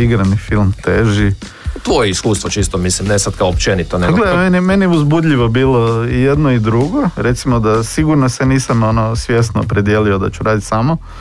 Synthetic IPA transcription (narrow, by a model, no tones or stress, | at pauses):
iɡɾanifilˠmt̪eʒi | t̪ʋojeiskuːst̪ʋot͡ʃiːst̪omislimnesat̪kaoopt͡ʃenit̪oneɡlemenemenieuzbud̪ʎʲiʋobiːlˠo̞ije̞d̪noid̪ɾuɡo̞ɾet̪simod̪asiɡuɾnoseniːsamo̞nosʋje̞snopɾed̪jelio̞d̪a̰t͡ɕuɾaːd̪it̪samo̞